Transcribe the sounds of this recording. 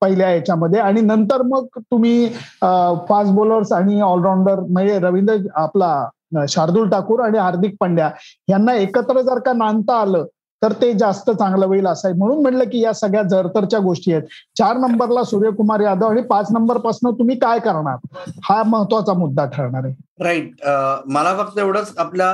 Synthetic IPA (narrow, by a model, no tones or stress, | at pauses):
pəɦiljajat͡ɕaməd̪ʱːjeaɽ̃inənt̪əɾməɡ̚t̪um̤iː | fasboləɾsaɽ̃iɔlɾawɳɖəɾməeɾəʋind̪ɾəapla | ɕaɾd̪uːlʈakuːɾaɽ̃iɦaɾd̪ʱik̚pəɳɖjaɦjanːaekət̪ɾəd͡zaɾkanant̪aːləː | t̪əɾt̪ed͡zast̪ət͡sãŋɡləʋəiːləsajm̤əɽ̃uːnm̤əʈləːkiːjasəɡɭjad͡zəɾt̪əɾt͡ɕjaɡoʂʈijet̪̚t͡ɕaɾnəmbəɾlasuɾjəkumaɾjad̪ʱəaɽ̃ipat͡snəmbəɾpasnət̪um̤iːkajkəɾɳaɾhaməɦət̪ʋat͡samud̪ːaʈʰəɭɳ̃aɾeɾaiʈ̚məlafək̚t̪əeʋɽət͡saplja